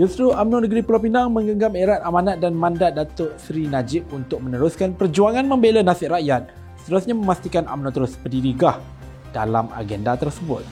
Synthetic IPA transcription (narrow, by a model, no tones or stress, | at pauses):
d͡ʒusɾuamnonəɡɾipəlopinaŋmə̃ŋɡəŋɡameɾat̪̚amanat̪̚danmãndat̪̚dat̪ʊʔsɾinad͡ʒɪp̚unt̪ʊk̚mə̃nəɾʊskanpərd͡ʒuaŋãnmə̃mbelanasɪʔraʔjat̪̚ | sə̥t̪əɾusɲamə̃mast̪ikana̰mnɔt̪əɾʊspədiɾiɡah | dalama̰ɡɛndat̪ərsəbʊ̰t̪̚